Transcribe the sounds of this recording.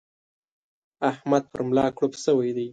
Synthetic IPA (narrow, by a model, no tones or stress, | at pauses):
ahmad̪̚pə̰ɾmlɑkɽopsəwajd̪aj